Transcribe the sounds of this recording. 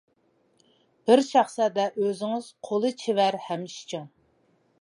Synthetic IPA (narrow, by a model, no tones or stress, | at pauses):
b̥ɪɾʃɑχsɛd̪ɛʔøzɪŋɪz̥qʰolˠɨt͡ʃʰevæɾhɛmʃi̥t͡ʃʰuŋ